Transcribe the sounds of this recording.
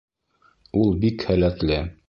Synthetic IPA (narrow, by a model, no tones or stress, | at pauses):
ulˠbikhælæt̪lɘ